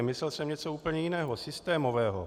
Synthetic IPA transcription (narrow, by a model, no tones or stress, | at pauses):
mɪslɛlsɛmɲɛt͡souːpl̩ɲɛjɪnɛːɦosɪst̪ɛːmovɛːɦo̰